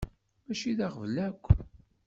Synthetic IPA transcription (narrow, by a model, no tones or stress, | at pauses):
mæʃiðaʁəvlækʷː